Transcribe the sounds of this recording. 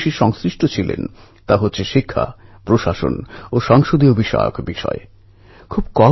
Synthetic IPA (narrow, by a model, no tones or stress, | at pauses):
ʃiʃɔŋsɾiʃʈot͡ɕʰilḛn | t̪aɦotːɕʰeʃikʰːa̰pɾoʃaʃo̰noʃɔŋʃod̪iobʱiʃa̰jo̰kbiʃɔ̰e | kʰubkɔ